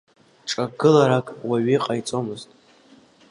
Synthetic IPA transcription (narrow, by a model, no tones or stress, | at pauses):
ʈ͡ʂʼaɡɨlaɾakʼwaɥiqʼajt͡sʼo̞mɨztʼ